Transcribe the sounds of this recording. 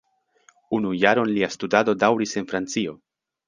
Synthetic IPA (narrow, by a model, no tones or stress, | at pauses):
unujaɾo̞nliastudado̞dawɾise̞nfɾant͡sio̞